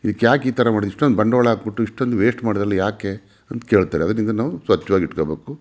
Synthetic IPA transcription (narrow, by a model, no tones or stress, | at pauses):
id̪ikːjaːkiːt̪ɐɾɐmaːɽid̪iʂʈond̪ubɐɳɖʋɐɭaːɡbiʈːuiʂʈond̪uʋeːsʈmaːɽid̪ɾɐlːɐjaːke | ɐnt̪ke̞ːɭt̪aːɾeɐd̪ɐnind̪ɐnaːʋusʋɐt͡ʃːɐʋaːɡiʈkobe̞ːku